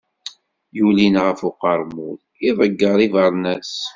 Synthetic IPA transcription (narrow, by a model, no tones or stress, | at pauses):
julinʁəfʊqəɾˤmuð | iðˤəɡːəɾˤivəɾˤnæs